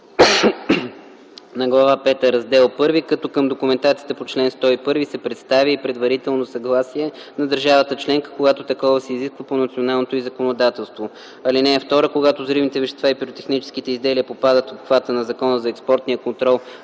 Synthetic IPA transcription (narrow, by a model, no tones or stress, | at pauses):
nɐɡlˠɐvapɛt̪əɾɐzd̪ɛlˠpɤɾvikɐt̪ɔkəmd̪okumɛnt̪at̪sit̪ɛpot͡ʃlɛnst̪ɔipɤɾvisɛpɾɛt̪st̪avʲjəipɾɛd̪vɐɾit̪ɛlˠnosɐɡlˠasiɛ | nɐd̪əɾʒavət̪ət͡ʃlɛŋkə̥koɡat̪ot̪ɐkɔvəsɛiziskvəponɐt̪sionalˠnot̪oʊizɐkonod̪at̪ɛlˠst̪vo | ɐlinɛɛft̪ɔɾəkoɡat̪ozɾivnit̪ɛvɛʃɛst̪vaipiɾot̪ɛxnit͡ʃɛ̥sk̟it̪ɛizd̪ɛliəpopad̪ət̪ot̪xvat̪ənɐzɐkɔnəzɐɛkspɔɾt̪nijəkont̪ɾɔlˠ